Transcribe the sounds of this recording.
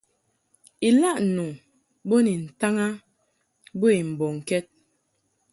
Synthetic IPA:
i˨la˦ʔnu˨ | bo˦ni˨n̩˨ta˦ŋa˦ | bo˦i˨m̩˨bɔ˨ŋ˨kɛ˦t̚

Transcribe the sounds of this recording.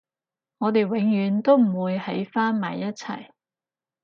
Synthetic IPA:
ŋɔː˨˧t̪e˨jwɪ˨˧˥ŋjyː˨˥nt̪o˥wm̩˨˩wuː˨˧jhɐ˨˥jfaː˥nma̰ː˨jːɐ˥t̚t͡sʰɐ̰˨˩j

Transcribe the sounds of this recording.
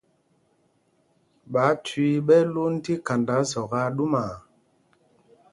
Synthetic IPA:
ɓa˨˦twi˦ɓɛ˦lu˦n̩˦ti˦ka˨nda˨˦zɔ˨ɣa˦ɗu˦ma˨

